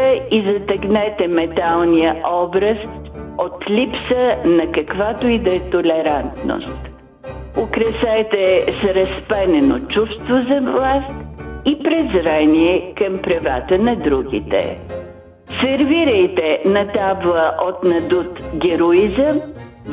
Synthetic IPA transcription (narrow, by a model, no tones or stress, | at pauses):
ɛizɐt̪ɛɡnɛt̪ɛmɛt̪alˠniəʔɔbɾəst̪ | ot̪lʲipsənɐkɐkvat̪oid̪ɛt̪olɛɾant̪no̰st̪ | ʊkɾɛsɛt̪ɛsɾɐspɛnɛno̰t͡ʃufst̪vozɐvlˠast̪ipɾɛzɾaniɛkɐmpɾɐva̰t̪ənɐd̪ɾuɡʲḭt̪ɛ̰ | sɛɾviɾəjt̪ɛnɐt̪ablˠəʔot̪nɐd̪ut̪ɡʲɛɾoizəm